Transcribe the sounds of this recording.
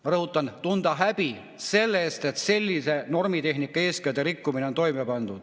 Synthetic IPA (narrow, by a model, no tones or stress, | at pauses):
mɑrohut̪ːˑɑnt̪und̪ɑɦæpi | se̞lːest̪et̪se̞lʲːiseno̞rmit̪e̞hnikːɑeːsket̪erikːumineont̪o̞imepɑnd̪̥u̥